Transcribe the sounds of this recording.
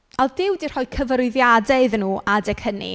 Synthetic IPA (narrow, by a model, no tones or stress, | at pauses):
alˠdɪwdir̥hɔɨkʰəvəɾʊɨðjadeɨðnuːadɛkʰənḭ